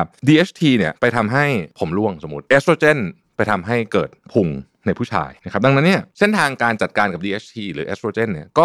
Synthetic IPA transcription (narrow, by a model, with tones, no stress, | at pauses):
a˦˥p̚diː˧ʔe˦˥t͡ɕʰt̪ʰiː˧ni˥˩ɐpa˧jt̪ʰa˧mɦa˥˩jpʰo˩˦mlu˥˩əŋso˩˦mu˦˥t̪̚ʔeː˦˥soː˧t͡ɕe˥˩n | pa˧jt̪ʰa˧mɦa˥˩jkɤː˨˩t̪̚pʰu˧ŋ | na˧jpʰu˥˩t͡ɕʰa̰ː˧jna˦kʰa˦˥p̚da˧ŋna˦˥nːi˥˩ɐse˥˩nt̪ʰaː˧ŋkaː˧nt͡ɕa˨˩t̪̚kaː˧nka˨˩diː˧ʔeː˦˥t͡ɕ̚ʰt̪ʰiː˧ɾɯː˩˦ʔḛ˦˥soː˧t͡ɕeː˥˩nːi˥˩ɐkɔː˥˩